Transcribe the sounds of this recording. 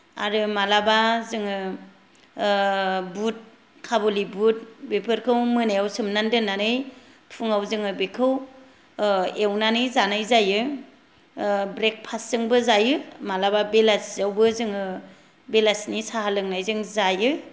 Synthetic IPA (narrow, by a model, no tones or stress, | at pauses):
a̰ɾɯmalabazɯŋɯ | but̚ | kʰabolibut̚bepʰɯɾkʰɯwmɯnajawsɯmnandɯnanɯj | pʰuŋawzɯŋɯbekʰɯw | ewnanɯjzanajzajɯ | bɾek̚pʰaszɯŋbɯzajɯmalababelaszawbɯzɯŋɯ | belasnisaɦalɯŋnajzɯŋzajɯ